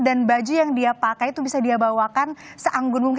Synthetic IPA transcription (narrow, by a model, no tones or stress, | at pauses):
danbad͡ʒijaŋdiapakajt̪ubisadiabawakansəʔaŋɡʊnmuk